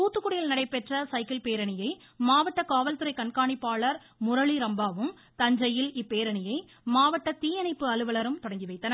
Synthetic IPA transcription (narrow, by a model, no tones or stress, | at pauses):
t̪uːt̪ːɯkːʊɽɪjɪlnɐɽɐɪpɛʈrɐsɐɪkɪlpeːɾɐɳɪjɐɪ | maːʋɐʈːɐkaːʋɐlt̪ɯɾɐɪkɐɳkaːɳipːaːɭɐɾ | mʊɾɐɭiɾɐmbaːʋɯm | t̪ɐɲd͡ʒɐjɪlɪpːeːɾɐɳɪjɐɪ | maːʋɐʈːɐt̪iːjɐnɐɪpːɯɐlɯʋɐɭɐɾɯmt̪ɔɽɐŋɡiʋɐɪt̪ːɐnɐ